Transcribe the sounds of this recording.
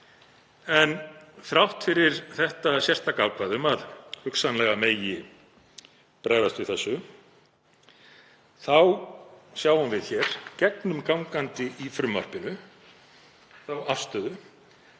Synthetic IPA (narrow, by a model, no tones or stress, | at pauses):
ɛnθɾawht̪fɪɾɪɾ̥θɛht̪asjɛr̥t̪akaːwkvaðʏmaðhʏksanlɛɣameːjɪ | pɾaːjvast̪vɪθɛsːʏ | θawsjaːwanvɪðçɛɾ̥cɛknʏmkawŋkant̪ɪifɾʏmva̰r̥pɪnʏ | θawʔafst̪œðʏ